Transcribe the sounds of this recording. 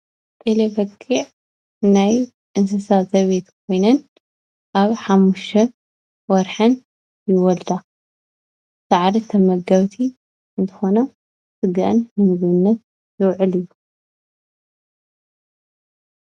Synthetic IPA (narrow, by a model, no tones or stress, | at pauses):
t̪ʼelefɐkʰːiʕ | naj | ʔɨns̬ɐsazɐβet̪kʰo̞jnɐn | ʔaβħamːuʃʰɐ | wɔɾħɐn | jɪwɔld̪a | saʕɾit̪ʰɐmɐɡɐβt̪ʰi | ɨnt̪ʰɨ̥xo̞nɐ | sɨɡaʔɨnhɨmɨzβɨnːɐt̪̚ | zɨwʕɨlɨjːu